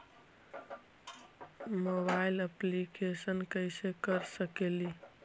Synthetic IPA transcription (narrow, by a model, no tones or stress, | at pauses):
mobailəplikesənkəɪsekəɾsəkeli